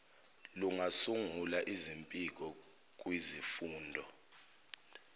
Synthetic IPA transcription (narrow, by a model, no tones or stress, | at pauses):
luŋasuŋulaʔizimpʼik̬ʼɔ | k̬ʼwizifuːndʱɔ